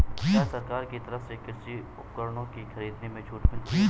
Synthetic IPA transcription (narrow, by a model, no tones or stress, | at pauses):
asɐɾkaːɾkit̪ɐɾəfsekɪɾsi | ʊp̚kəɾɽ̃õkixʰɐɾiːd̪nemẽt͡ʃʰuːʈmɪ